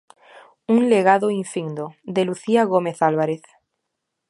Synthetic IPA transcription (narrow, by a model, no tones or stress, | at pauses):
unleɣ̞aðoiɱfiŋd̪od̪eluθiaɣomeθalβaɾeθ